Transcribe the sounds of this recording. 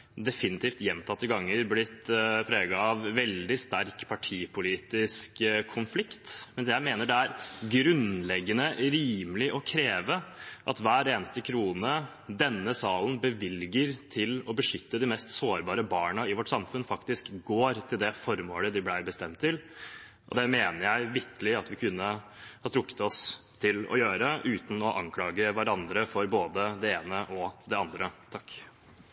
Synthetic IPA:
d̪ɛfɪnɪt̪ʰiːft̪jɛmːt̪ʰɑt̪ːəɡɑŋːəɾblɪt̪ːpʰɾeːɡɑɑʋʋɛld̪ɪst̪æɾkpʰɑʈʰiːpʰʊliːt̪ɪskkʰːʊnflɪkt̪mɛnsjæɪmeːnəɖɛæɾɡɾʉnlɛɡːənəɾiːməlɪʔɔkʰɾeːʋəʔɑt̪ʋæːɾeːnəst̪əkʰɾuːnə | d̪ɛnːəsɑːln̩bəʋɪlɡəɾt̪ʰɪlɔbəʂʏt̪ːəd̪ɪmɛst̪soːɾbɑːɾəbɑːɳɑɪʋɔʈːsɑmfʉnfɑkt̪ɪskɡoːɾt̪ʰɪld̪ɛfɔɾmoːləd̪ɪblæɪbəst̪ɛmt̪ʰːɪl | ʔɔ̰d̪ɛmeːnəɾjæɪʋɪɾkəlɪɑt̪ʋɪkʰʉnːəhɑt̪ʰɾʊkːə̥t̪ɔst̪ʰɪlɔ̰jøːɾəʔʉːt̪n̩ɔʔɑŋkʰlɑːɡəʋæɾɑnd̪ɾəfɔɾboːd̪əd̪ɛeːnəʔɔd̪ɛɑnd̪ɾət̪ʰɑkː

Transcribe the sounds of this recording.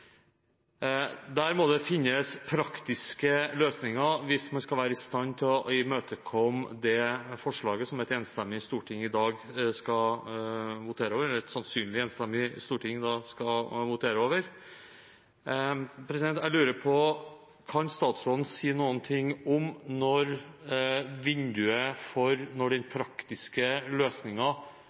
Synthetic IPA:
d̪æɾmɔd̪ɛfɪnːəspʰɾɑkt̪ɪskəløːsnɪŋɑʋɪsmɑnskɑlʋæːɾəɪst̪ɑnːt̪ʰɪlɪmøːt̪ʰəkʰɔmd̪ɛfɔʂɭɑːɡəsɔmɛɪt̪ɛnst̪ɛmːɪst̪uːʈʰɪŋːɪd̪ɑːɡskɑ | ʋʊt̪ʰeːɾəoːʋəɾɛlɾɛt̪sɑnsyːnlɪɛnst̪ɛmːɪst̪uːʈɪŋd̪ɑskɑʋʊt̪ʰeːɾəoːʋəɾ | pʰɾɛsɪd̪ɛnt̪æɪlʉːɾəpʰɔ | kʰɑnst̪ɑːt̪sɾoːd̪n̩siːnuːənt̪ʰɪŋːɔmnɔɾ | ʋɪnd̪ʉəfɔɾnɔɖɛnpʰɾɑkt̪ɪskəløːsnɪŋɑ

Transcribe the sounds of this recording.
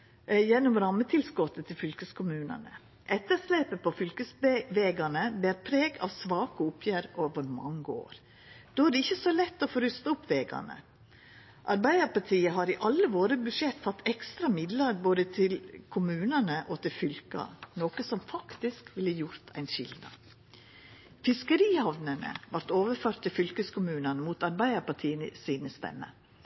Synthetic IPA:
jɛnːɔmɾɑmːət̪ʰɪlskɔt̪ːət̪ʰɪlfʏlkəskʰʊmʉːnə̰nə̰ | ʔɛt̪ːəɾʂleːpəpʰɔfʏlkəsʋeːɡɑnəblɪɾpʰɾeːɡɑ̰ʋsʋɑːkəʊpʰjæːɾɔːʋəɾmɑ̰ŋːəo̰ːɾ | d̪̥oːæɖɛɪçːəsɔlɛt̪ːɔfoɾʏst̪əʊpːʋeːɡɑ̰nə̰ | ʔɑɾbæɪd̪əɾpɑʈʰiːəɦɑɾɪʔɑlːəʋoːɾəbʉʂjɛt̪ːfɑt̪ʰːɛkst̪ɾɑmɪd̪ləɾboːd̪ət̪ʰɪlkʰʊmʉːnənəʔɔt̪ʰɪlfʏlkɑ̰noːkəsɔmfɑkt̪ɪskʋɪlːəjʊɾt̪ʰæ̰ɪnʃɪ̰ld̪nɑ̰ | fɪskəɾiːhɑʋnənə̰ʋɑɾt̪oːʋəɾføːɾt̪ʰːɪlfʏlkəskʰʊmʉːnənəmuːt̪ɑɾbæɪd̪əɾpɑʈʰiːənə̰siːnəst̪ɛ̰mːə̰

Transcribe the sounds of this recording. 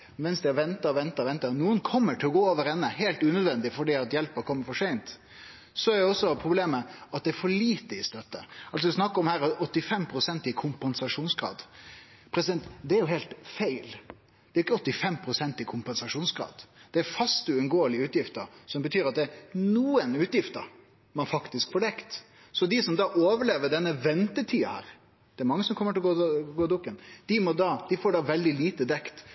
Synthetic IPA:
mɛnsd̪ɛɑʋɛnt̪ɑʋɛnt̪ɑʋɛnt̪ənuːənkʰɔmːəʈʰɪlɔɡoːoːʋəɾɛnːəɦeɪlt̪ʉːnœd̪ʋɛnd̪ɪfɔɖiːɑt̪jɛlpəɾkʰɔmːəɾfɔʂɛɪnt̪ | sɔæɾɛɔsːɔpʰɾʊbleːməɑt̪̚d̪ɛɾfɔɭiːt̪əɪst̪œt̪ːəɑls̬ɔɪsnɑkːəɔmhæːɾɑɔt̪ːɪfɛmpʰɾʊsɛnt̪ɪkʰʊmpɛnsɑʂuːnsɡɾɑ̰ːd̪ | pʰɾɛsɪd̪ɛnt̪d̪ɛæɾjʊɦeɪlt̪fæɪl | d̪̥ɛɾjɪkːəɔt̪ːɪfɛmːpʰɾʊsɛnt̪ɪkʰʊmpɛnsɑʂuːnsɡɾɑ̰ːd̪d̪̥ɛæɾfɑst̪ʉʉnɡoːəlɪəʉːt̪jɪft̪əɾsɔmbət̪ʰyːɾɑt̪̚d̪ɛɾnuːənʉːt̪jɪft̪əɾ | mɑnfɑkt̪ɪskfɔːɖɛkt̪ | sɔd̪ɪsɔmd̪ɑːʔoːʋəɭeːʋəɖɛnːəʋɛnt̪ət̪ʰiːɑhæ̰ːɾ | d̪̥ɛæɾmɑŋːəsɔmkʰɔmːəʈɪlɡoːɡoːd̪ʊkːənd̪̥ɪmɔd̪ɑd̪ɪfoːɖɑːʋɛld̪ɪliːt̪əd̪ɛkt̪

